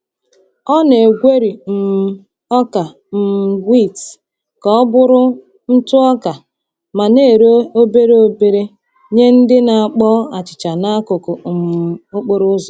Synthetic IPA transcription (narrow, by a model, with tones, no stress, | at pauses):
ɔ˦ne˨ɡʷe˦ɾi˨m̩˨˦ | ɔ˦ka˨ | m̩˨ɡʷi˦˨t | kɔ˨ɔ˦bʊ˦ɾʊ˦ | n̩˦tʊ˦ɔ˦ka˨ | ma˨ne˦˨ɾe˦o˦be˦ɾe˦o˦be˨ɾe˦ | ɲe˦n̩˦dɪ˦na˨a˨k͡pɔ˦a˨t͡ʃɪ̥˨t͡ʃa˨na˦kʊ˨kʊ˨m˨o˦k͡po˨ɾʊ˦zɔ˨